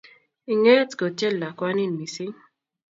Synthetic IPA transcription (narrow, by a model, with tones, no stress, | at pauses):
i˨ŋe˦e˦tɡo˨t͡ʃɛ˦lːa˨kwa˦ni˦˨nmi˨sɪ˦ŋ